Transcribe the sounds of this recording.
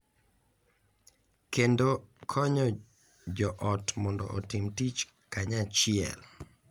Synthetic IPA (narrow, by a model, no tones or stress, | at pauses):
kendokʰɔɲɔ | d͡ʒɔʔɔtmɔndɔ̰ʔɔ̰tɪmtit͡ʃ | kaɲat͡ʃɪɛ̰l